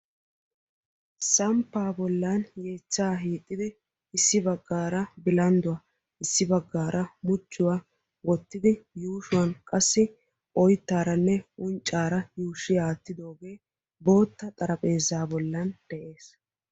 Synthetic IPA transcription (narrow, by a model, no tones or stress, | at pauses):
sɐmpːaːbɔlːanje̞ːt͡ʃːaːɦiːt̪ʼːɪd̪ɪ | ɪsːɪbɐɡːaːɾɐbɪlɐnd̪ʊwɐ | ʔɪsːɪbɐɡːaːɾʔɐmʊt͡ʃːʊwa | wɔt̪ːɪd̪ɪjuːʃʊwɐnkʼɐsːɪ | ʔɔjt̪ːaːɾɐnːɛʔʊnt͡ʃʼːaːɾɐjuːʃɪjaːt̪ːɪd̪o̞ːɡe̞ː | bo̞ːt̪ːɐt̪ʼɐɾɐpʼe̞ːzaːbɔlːɐnd̪̥ɛʔe̞ːs